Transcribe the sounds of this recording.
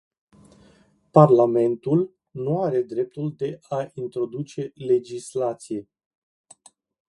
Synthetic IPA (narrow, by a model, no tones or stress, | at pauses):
parlame̞nt̪ul | nuaɾe̞d̪ɾe̞p̚t̪uld̪e̞ʔaint̪ɾo̞d̪ut͡ʃe̞le̞d͡ʒislat̪sije̞